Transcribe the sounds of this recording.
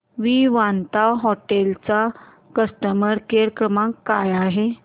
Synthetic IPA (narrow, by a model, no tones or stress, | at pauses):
ʋiʋant̪awɦɔʈelt͡sa | kəsʈəməɾkeɾkɾəmãkːajaɦe